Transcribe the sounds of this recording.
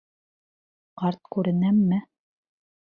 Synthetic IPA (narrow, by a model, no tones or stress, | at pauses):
qɑɾt̪̚kʉɾɘ̆næmːɘ